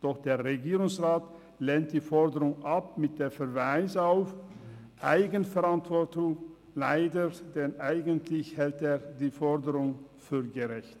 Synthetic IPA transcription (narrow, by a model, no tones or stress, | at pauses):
d̥ɔχd̥eːɐʁeɡiːʁʊŋsʁaːt | leːnt̚d̥iːfɔɐdəʁʊŋʔap̚mɪt̚d̥eːɐfɛɐvaɪsaʊf | ʔaɪɡənfɛʁantv̥ɔɐtʊŋ | laɪdəd̥ɛnʔaɪɡəntʰlɪçhɛlteːɐdiːfɔɐdəʁʊŋ | fyːɐɡəʁɛçt